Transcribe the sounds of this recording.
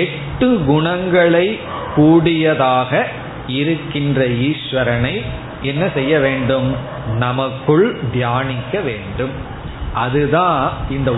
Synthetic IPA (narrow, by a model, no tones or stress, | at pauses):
ɛʈːɯɡʊɳɐŋɡɐɭɐɪ | kːuːɽɪjɐðaːɣɐ | ɪɾɯkːɪndrɐiːʃʋɐɾɐnɐɪ | ɛnːɐsɛjːɐʋeːɳɖɯm | nɐmɐkːɯɭd̪jaːnɪkːɐʋeːɳɖɯm | ʔɐðɯðãːɪnd̪ɐ